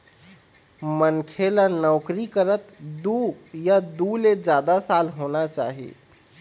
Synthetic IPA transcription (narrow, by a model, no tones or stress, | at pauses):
mənkʰelanɔʊkɾikəɾət̪d̪ujad̪uled͡ʒad̪asalɦonat͡ʃa̰ɦḭ